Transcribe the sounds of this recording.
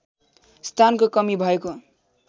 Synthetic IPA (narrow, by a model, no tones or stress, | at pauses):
st̪ʰankokʌmibʱʌeko